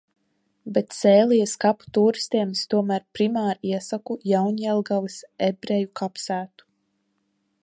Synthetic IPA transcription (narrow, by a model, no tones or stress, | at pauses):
bet̪sɛːlijskapu̥t̪uːɾist̪iɛmst̪uɔmæɾpɾimaːɾiɛsakujawɲɛlˠɡalɨsebɾejukapsæːt̪u̥